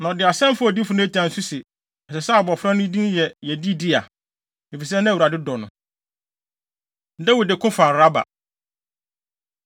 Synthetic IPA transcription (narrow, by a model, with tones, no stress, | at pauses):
nã˨ɔ˨dɪ˨a˨sɛ̃˦m˦fʊ˦ɔ˨di˦fʊ˨nʊ̃˦e˦tʰi˨ã˨n̩˨su˦sɪ˨ | a˨sɛ˨sɛ˦˨bɔ˨fɾã˦nʊ̃˦dĩ˦n˦jɛ˨jɛ˨di˦di˦a˨ | e˨fi˨s̬ɛ˦nã˦˨u˨ɾa˨dɪ˦dɔ˨nʊ̃˨ | n̩˨dɛ˦wʊ˨dɪ˨kʰʊ̃˦fã˨ɾa˦ba̰˨